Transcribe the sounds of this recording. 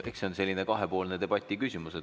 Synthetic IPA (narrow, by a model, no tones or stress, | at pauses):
ʔe̞kseo̞nse̞lʲːine̞kɑɦe̞po̞ːlne̞d̪e̞b̥ɑt̪ʲːˑikysʲimuse